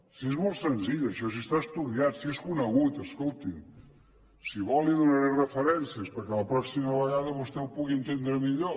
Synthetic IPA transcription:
siezmolˠt̪sənziʎəʃɔs̬ist̪aəst̪uðiat̪sieskunəɣut̪əskolˠt̪in | siβɔlˠiðunəɾɛrəfəɾɛnsiəspəɾkɛləpɾɔksiməβəɣaðəβust̪ɛwpuɣiənt̪end̪ɾəmiʎo

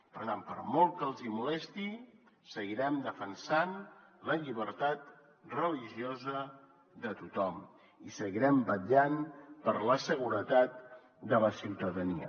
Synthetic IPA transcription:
pəɾt̪ampəɾmɔlˠt̪̚kəlˠzimulɛst̪i | səɣiɾɛmd̪əfənsanləʎiβəɾt̪at̪̚ | rəliʒiozə | ðət̪ut̪ɔm | isəɣiɾɛmbəʎanpəɾləsəɣuɾət̪at̪̚ | d̪ələsiwt̪əðəniə̰

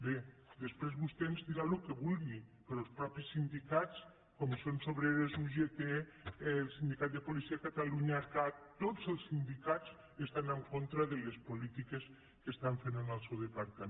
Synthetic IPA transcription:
be | d̪əspɾezβust̪enzd̪iɾalukeβulˠɣipeɾolˠspɾɔpisːind̪ikat͡s | komsonsoβɾeɾezuʒet̪e | lˠsind̪ikat̪̚d̪epulisiakat̪aluɲaːɾkat̪ːozəlˠsind̪ikat͡s | est̪anaŋkont̪ɾaðelespulit̪ikes | kest̪aɱfenonalˠsewðepaɾt̪a

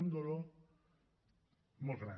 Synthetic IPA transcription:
nd̪olo | mosɾa

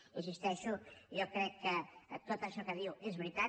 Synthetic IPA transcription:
izist̪ɛʃujokɾɛkːət̪ot̪əʃɔkəðiwezβɾit̪a

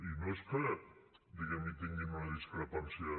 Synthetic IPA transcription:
inoeskə | d̪iɣɛmit̪iŋɡinunaðiskɾepansia

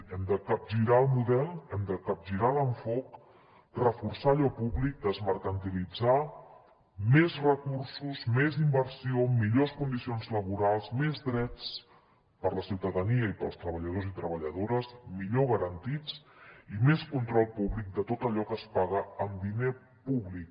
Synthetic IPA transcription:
ɛmd̪əkəp̚ʒiɾaəlˠmuðɛlˠɛmd̪əkəp̚ʒiɾaləɱfɔk | rəfursaʎɔpuβlik̚d̪əzməɾkənt̪ilid͡za | mezrəkursuzmezimbəɾsiomiʎoskund̪isionzləβuɾalˠzmezd̪ɾɛt͡s | pəɾləsiwt̪əðəniəipəlˠst̪ɾəβ̞əʎəð̞ozit̪ɾəβəʎəðoɾəsmiʎoɣəɾənt̪it͡simeskunt̪ɾɔlˠpuβlik̚d̪ət̪ot̪əʎɔkəspaɣəəmd̪ine | puβlik

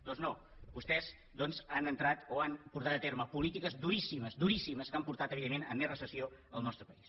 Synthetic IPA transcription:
d̪ɔnzno | bust̪ɛz | d̪ɔnzanənt̪ɾat̪oanpuɾt̪at̪ət̪eɾməpulit̪ikəzd̪uɾisiməzd̪uɾisiməskampuɾt̪at̪əβiðemːenə̰mːezrəsəsioə̰lˠnɔst̪ɾəpəis

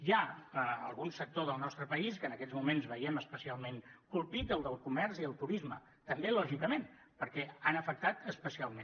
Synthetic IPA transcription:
jaəəlˠɣunsək̚t̪oðəlˠnɔst̪ɾəpəiskənəkɛzmumenzβəjɛməspəsialˠmeŋkulˠpit̪əlˠd̪əlˠkumɛɾziəlˠt̪uɾizmə̰ | t̪əmbelɔʒikəmen | pəɾkɛanəfək̚t̪at̪əspəsialˠmẽn

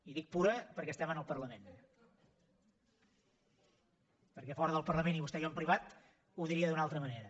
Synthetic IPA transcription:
iðik̚puɾəpəɾkɛəst̪ɛmənəlˠpərləmen | pəɾkɛfɔɾəðəlˠpəɾləmeniβust̪ɛʒɔmpɾiβat̪ | uðiɾiəðunalˠt̪ɾəməneɾə

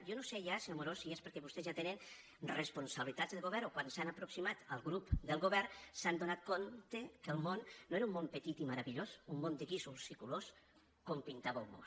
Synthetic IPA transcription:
jonosejaseomoɾosiespəɾkɛβust̪ezʒjat̪enən | respunsaβlit̪azðəɣoβɛɾokwansanəpɾuksimat̪əlˠɣɾupd̪əlˠɣoβɛɾsand̪onat̪̚kont̪ekəlˠmonːoeɾummompət̪it̪iməɾəβiʎosumːond̪əɣisulˠsikulos | kompint̪aβəwmo̰

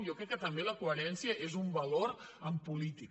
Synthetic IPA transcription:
njɔkɾɛkːət̪əmbeləkuəɾɛnsjəʔezumbɐloɾəmpulit̪i

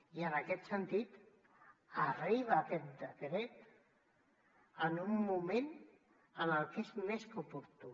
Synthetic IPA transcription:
iənəkɛt̪sənt̪it̪ | ariβaːkɛt̪̚d̪əkɾet̪ | ənumːumẽn | ənəlˠkezmeskupuɾt̪u

